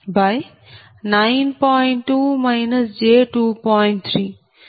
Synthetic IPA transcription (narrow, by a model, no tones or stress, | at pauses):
baj | najnpɔjɳʈʈːumajnɐsd͡ʒeʈupɔjɳʈ̚t̪ʰɾiː